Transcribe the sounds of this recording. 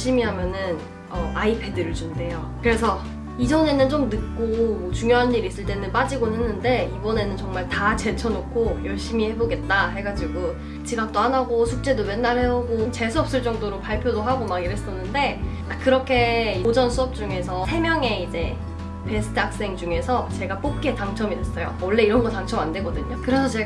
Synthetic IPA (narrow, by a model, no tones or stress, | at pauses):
ɭɕ͈imiɦamjʌnɯn | ʌaipʰe̞dɯɾɯɭd͡ʑunde̞jo | kɯɾe̞sʰʌ | id͡ʑʌne̞nɯnt͡ɕomnɯk̚k͈omt͡ɕuŋjoɦanːiɾis͈ɯɭt͈e̞nɯnpad͡ʑiɡonenːɯnde̞ibʌne̞nɯnt͡ɕʌŋmaɭtat͡ɕe̞t͡ɕʰʌnokʰojʌɭɕ͈imihe̞boɡe̞t̚t͈aɦe̞ɡad͡ʑiɡo | t͡ɕiɡak̚t͈oɦanaɡosʰuk̚t͡ɕ͈e̞dowe̞nːaɭheoɡomt͡ɕe̞sʰuʌp̚s͈ɯɭt͡ɕ͈ʌŋdoɾopaɭpʰjodoɦaɡomaɡiɾes͈ʌnːɯnde̞ | akɯɾʌkʰe̞iod͡ʑʌnsʰuʌp̚t͡ɕ͈uŋe̞sʰʌsʰe̞mjʌŋe̞id͡ʑe̞ | pe̞sʰɯ̥tʰɯak̚s͈e̞ŋd͡ʑuŋe̞sʰʌt͡ɕe̞ɡap͈ok̚k͈e̞taŋt͡ɕʰʌmidwes͈ʌjo̰wʌɭːe̞iɾʌnɡʌt͈aŋt͡ɕʰʌmandwe̞ɡʌdɯɲokɯɾe̞sʰʌt͡ɕe̞